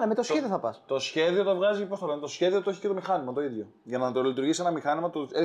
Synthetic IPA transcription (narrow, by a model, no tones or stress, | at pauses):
nemet̪osçeðioθɐpɐst̪o̞sçe̞ðio̞t̪ovɣɐzicepost̪ɐlent̪o̞sçe̞ðiot̪oçi̥cet̪o̞mixɐnimɐt̪o̞iðʝo | ʝɐnɐt̪olit̪uɾʝisienɐmixɐnimɐt̪ue